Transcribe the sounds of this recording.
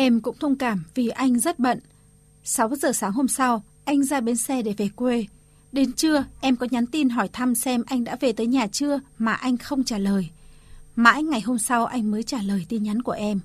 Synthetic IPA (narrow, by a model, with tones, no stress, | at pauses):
ʔɛ˧mkʊ̰˧˥ŋ͡mt̪ʰə˧wŋ͡mkaː˧˩mvi˨˩ʔa˧jŋ̟zə˦˥t̚ɓə̰˧˨n | sa˨˦wzəː˨˩saː˨˦ŋho˧msa˧w | ʔa˧jŋ̟zaː˧ɓe˨˦nsɛ˧ɗe˧˩ve˨˩kwe˧ | ɗe˨˦nt͡ɕɨ˧əʔɛ˧mkɔ˨˦ɲa˨˦nt̪i˧nɦɔ˧˩jt̪ʰa˧msɛ˧mʔa˧jŋ̟ɗa̰ː˧˥ve˨˩t̪əː˨˦jɲaː˨˩t͡ɕɨ˧əmaː˨˩ʔa˧jŋ̟xə˧wŋ͡mt͡ɕaː˧˩ləː˨˩jma̰ː˧˥jŋa˨˩jɦo˧msa˧wʔa˧jŋ̟məː˨˦jt͡ɕaː˧˩ləː˨˩jt̪i˧nɲa˨˦nku˧˩əʔɛ˧m